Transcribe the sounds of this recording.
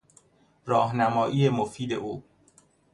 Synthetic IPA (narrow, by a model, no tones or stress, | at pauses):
ɾɒːhnæmɒːʔiːjemofiːd̪e̞̰ʔuː